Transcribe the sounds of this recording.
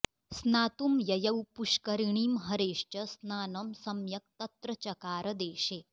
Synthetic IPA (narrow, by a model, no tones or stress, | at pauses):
snaːt̪umjɐjɐwpuʂkɐɾiɳiːmɦɐɾeːʂt͡ɕɐsnaːnɐmsɐmjɐk̚t̪ɐt̪ɾɐt͡ʃɐkaːɾɐd̪eːʃeː